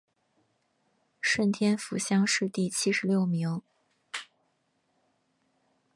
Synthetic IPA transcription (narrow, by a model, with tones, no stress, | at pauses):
ʂə˥˩nt̪ʰjɛ˥nfu˧˥ɕjɑ˥ŋʂɻ̩˥˧t̪i˥˩t͡ɕʰi˥ʂɻ̩˧˥ljo˥˩ʊmi˧˥ŋ